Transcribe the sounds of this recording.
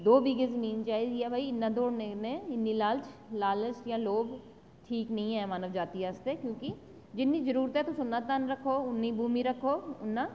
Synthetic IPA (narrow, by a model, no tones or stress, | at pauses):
d̪oːbiːɡezɐmiːnt͡ʃaːidɛbʱaiɪnːad̪oːɽnenẽɪnːilaːlt͡ʃlaːlət͡ʃjãloːb | ʈʰiːknɐɦĩɦɛ̃maːnəʋd͡ʒaːt̪iɦɛːst̪ɛkjõːki | d͡ʒɪnːizɐɾuːɾt̪ɦɛt̪osʊnːat̪anɾɐkʰoːʊnːibʱuːmiɾɐkʰoːʊnːaː